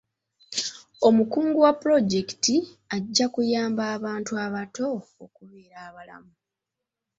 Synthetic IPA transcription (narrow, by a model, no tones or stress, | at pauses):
o̞mukuːŋɡuwapːɾo̞ɟe̞ki̥ti | aɟːakujaːmbaːβaːntuaβato̞ːkuβe̞ːɾaːβala̰mu